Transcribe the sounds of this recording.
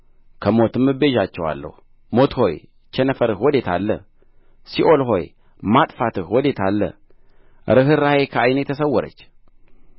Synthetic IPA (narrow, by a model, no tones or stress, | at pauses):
kʰəmo̞t̪ɨmːɨbeʒat͡ʃːɛwa̰lːə̰hu | mo̞t̪ho̞j | t͡ʃɛnəfəɾɨhwɔd̪e̞t̪ʰa̰lːə̰ | siʔo̞lɦo̞j | mat̪ʼfat̪ɨhwɔd̪e̞t̪ʰalːə̰ | ɾɨɦɨɾːahekʰəajnejt̪ʰəs̬əwːɔɾə̰t͡ʃː